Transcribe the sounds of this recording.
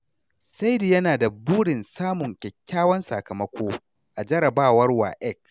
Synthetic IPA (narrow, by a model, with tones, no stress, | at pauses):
sa˦jdi˨jɐ˦naː˨da˨buː˦ɽɪ˨nsaː˦mʊ˨ŋkʲɛ˨kʲːaː˦wɐ˦nsa̰˨kɐ˨mɐ˦kʷoː˦ | ʔa˨d͡ʒɐ˦ɾɐ˨baː˦wɐ˦rwa̰ː˨ʔɛ˦˨k